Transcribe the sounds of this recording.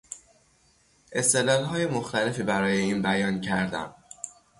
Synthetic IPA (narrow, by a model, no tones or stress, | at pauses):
ʔe̞st̪e̞lɒːlɦɒːje̞moxt̪æle̞fiːbæɾɒːje̞iːnbæjɒːncʰæɾd̪æ̰m